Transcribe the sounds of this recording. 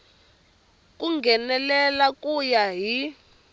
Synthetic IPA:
k̬ʼuŋɡʱɛnɛlɛlakʼujaɦi

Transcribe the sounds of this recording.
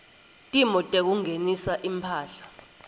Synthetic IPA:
tʼimɔtʼek̬uŋenisaʔimpʰaːɬḁ

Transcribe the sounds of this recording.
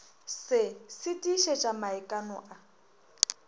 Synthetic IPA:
sɪsɪtʼiʃɛt͡ʃʼamaɛkʼanɔ̰ʔa

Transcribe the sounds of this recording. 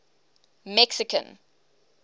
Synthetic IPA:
mɛksɪkʰə̰̃n

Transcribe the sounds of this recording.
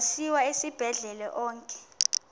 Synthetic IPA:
siwaesib̥ʱɛɮɛlɛʔɔːŋkʼɛ̥

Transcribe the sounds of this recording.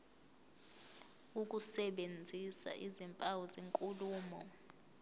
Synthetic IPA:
uk̬ʼusɛɓend͡zʱisa̰ʔizimpʼawɔzeŋkʼuluːmɔ

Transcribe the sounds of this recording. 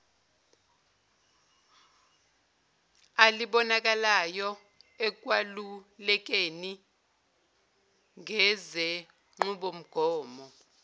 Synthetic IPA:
aliɓɔnak̬alajɔ | ɛk̬ʼwalulɛk̬eni | ŋʱɛzɛ | ŋ͡ǁuɓom̩ɡ̥ʱɔːmɔ

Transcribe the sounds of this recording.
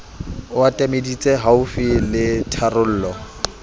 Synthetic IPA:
watʼamedit͡sʼɛɦaʊfilɪtʰarʊl̩ːlɔ

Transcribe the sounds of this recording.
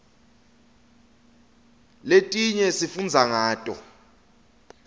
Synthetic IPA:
letʼiɲɛsifund͡zʱaŋaːtʼɔ̰

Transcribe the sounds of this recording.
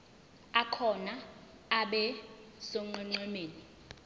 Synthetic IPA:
akʰɔna | aɓɛsɔŋ͡ǀɛŋ͡ǀɛmeːni

